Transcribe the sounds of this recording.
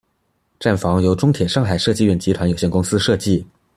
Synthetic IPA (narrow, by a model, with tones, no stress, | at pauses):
ʈ͡ʂa˥˩nfɑ˧˥ŋjo˧˥ʊʈ͡ʂʊ˥ŋt̪ʰjɛ˨˩ʂɑ˥˩ŋxa˨˩ɪʂɤ˥˧t͡ɕi˥˧ɥɛ˥˩nt͡ɕi˧˥t̪ʰwa˧˥njo˨˩ʊɕjɛ˥˩nkʊ˥ŋsɹ̩˥ʂɤ˥˧t͡ɕi˥˩